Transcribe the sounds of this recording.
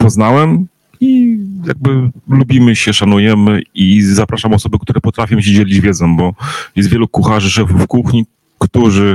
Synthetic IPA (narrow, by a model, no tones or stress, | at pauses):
pɔznawɛm | ija̰ɡ̚bɘlubʲimɘɕɛʂanujɛmɘizapɾaʂamɔsɔbɛkt̪uɾɛpɔt̪ɾafʲjɔ̃m̃ɕ̬ɛd͡ʑelʲid͡ʑvʲjɛzɔ̃w̃bɔjɛst̪vʲjɛlukuxaʐɘʂɛfufkuxɲi | kt̪uʐɘ